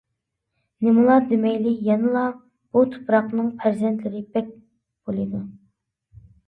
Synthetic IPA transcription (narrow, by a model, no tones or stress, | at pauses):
nɪmɨlˠɑd̪emɛjlɪjɛnɨlˠɑ | b̥ut̪ʰu̥pɾɑqnɨŋpʰæɾzɛnt̪ʰlɪɾɪbɛk̚ʲ | b̥olˠɨd̪u